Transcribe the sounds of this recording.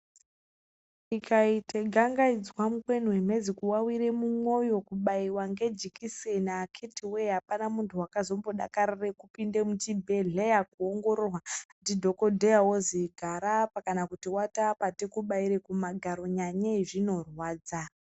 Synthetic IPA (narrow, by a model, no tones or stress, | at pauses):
ikaitʰeɡʱaŋɡaid͡zwamukwe̞nwem̤e̞d͡zikuwawiɾe̞mumwo̞jo̞kuɓaiwaŋɡe̞d͡ʒikisenaːkʰetiweɦapanamuntʰuwakazo̞mbo̞ɗa̰karirekupinde̞mut͡ʃibʱe̞ɮejakuoŋɡo̞ɾorwandidʱo̞ko̞dʱejawoziɡʱaɾapakanakutiwatapatekuɓaiɾekumaɡʱaɾo̞ɲaɲeʐino̞rwaːd͡za